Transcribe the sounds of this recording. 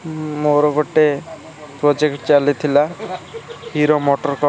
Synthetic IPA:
moɾɔɡoʈe | pɾɔd͡ʒekʈt͡ʃalit̪ʰila | hiɾomoʈɔɾkɔ

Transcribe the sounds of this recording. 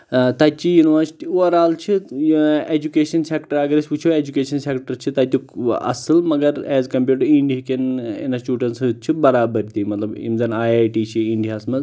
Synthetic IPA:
t̪ɐt͡ʃijuniʋəɾsi̥ʈiɾaːlt͡ʃʰi | ed͡ʑukeːʃɐnseːkʈəɾɐɡɐɾesʲput͡ʃʰoed͡ʒukeːʃɐnsekʈəɾt͡ʃʰit̪ɐt̪ʲukɐ̰sɨlmɐɡɐɾɛːzkɐmpʲjuːʈɐɾĩɳɖiikenḛnɐsʈuːɖɐɳʈsit̪̚t͡ʃʰibɐɾaːbəɾt̪imɐt̪lɐbḭmd͡zɐnaːjaːjʈiːt͡ʃʰiiɳɖijaːsmɐz

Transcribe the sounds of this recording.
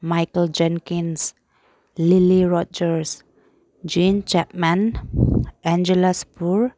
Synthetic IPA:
majkəld͡ʒɛ̃ŋkĩns | liliɹɔd͡ʒəɹs | d͡ʒĩnt͡ʃɛp̚mãn | ʔɛ̃nd͡ʒəlaspuɹ

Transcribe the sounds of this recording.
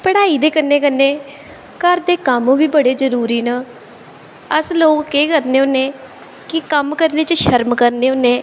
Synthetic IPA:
pəɽaːiːd̪eːkənːeːkənːeː | kəɾd̪eːkəmːʋiːbəɽeːzəɾuːɾiːnaː | əsloːkkeːkəɾneːʊnːẽː | kɪkəmkəɾneːt͡ʃʃəɾmkəɾneːʊnːeː

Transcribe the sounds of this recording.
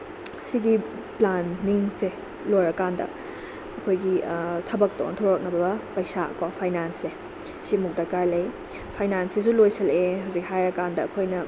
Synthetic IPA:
siɡi | planːiŋse | lojɾɐkandɐ̰ | ɐkʰojɡitʰɐbɐk̚toɔ̰ntʰoɾok̚nɐbɐbɐpɐjsaɐ̰kwapʰajnanse | simuk̚dɐɾkaɾlej | pʰajnansis̬ulojsɐleɦɐwzikhajɾɐkandɐɐkʰojnɐ

